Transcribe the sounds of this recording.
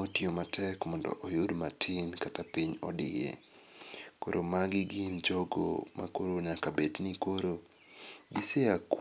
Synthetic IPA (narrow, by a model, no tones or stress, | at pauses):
otjomatʰɛkmɔndɔ̰ʔojʊdmatʰɪnkatapiɲɔdɪjḛ | koɾʔomaɡɪɡɪnd͡ʒoɡo̰ma̰koɾoɲakabednikoɾo | ɡiseak